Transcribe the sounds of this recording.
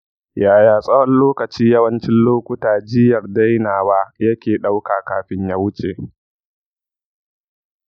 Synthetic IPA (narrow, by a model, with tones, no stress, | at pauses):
jaː˨jaː˨sʼɐ˦wɐ˦nloː˦kɐ˨t͡ʃiː˦jɐ˦wɐ˦nt͡ʃɪ˦nloː˦kʷʊ˦taː˨d͡ʒɪ˦jɐ˨rda˦jnaː˨waː˦jɐ˦kʲeː˨ɗa˦wkaː˨kaː˨ɸɪ˦ɲjaː˦wʊ˦t͡ʃʼe˨ʔ